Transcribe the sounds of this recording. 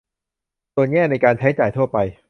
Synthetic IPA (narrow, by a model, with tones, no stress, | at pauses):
su˧ənŋɛː˥˩na˧jkaː˧nt͡ɕʰa˦˥jt͡ɕaː˨˩jt̪ʰu˥˩ɐpa˧j